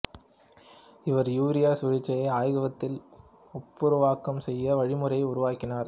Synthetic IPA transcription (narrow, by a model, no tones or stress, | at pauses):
ɪʋɐɾjuːɾɪjaːsʊɻɪt͡ʃːɐjɐɪaːjɣɐʋɐt̪ːɪl | ɔpːɯɾʊʋaːkːɐmsɛjːɐʋɐɻɪmɯɾɐɪʊɾʊʋaːkːɪnaːɾ